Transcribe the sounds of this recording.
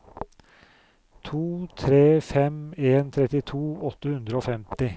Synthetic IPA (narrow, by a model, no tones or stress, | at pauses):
t̪ʰuːt̪ʰɾeːfɛmeːnt̪ʰɾɛt̪ɪt̪ʰuːɔt̪ːəhʉnd̪ɾəoːfɛmt̪ɪ